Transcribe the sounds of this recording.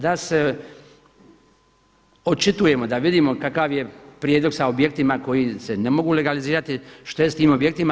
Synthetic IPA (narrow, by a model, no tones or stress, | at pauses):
d̪ase̞ | o̞t͡ʃit̪uje̞mo̞d̪aʋid̪imo̞kakaʋje̞pɾjed̪lo̞ɡsaobje̞kt̪imako̞jise̞ne̞mo̞ɡuːle̞ɡaliziːɾat̪iʃt̪ojest̪iːmobje̞k̚t̪ima